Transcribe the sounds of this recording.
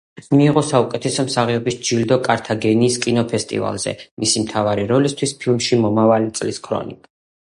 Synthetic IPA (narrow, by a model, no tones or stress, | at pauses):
miːʁɔsaukʼɛt̪ʰɛsɔmsaʁɛɔbisd͡ʒild̪ɔkʼaɾt̪ʰaɡɛniːskʼinɔpʰɛst̪ʼḭva̰lˠz̥ɛ̰misimt̪ʰavaɾiɾɔlist̪ʰwispʰilˠmʃimɔmavalit̪sʼliskʰɾɔ̰nikʼ